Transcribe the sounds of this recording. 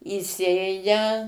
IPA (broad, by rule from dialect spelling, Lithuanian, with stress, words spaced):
iːˈsʲeːjɛ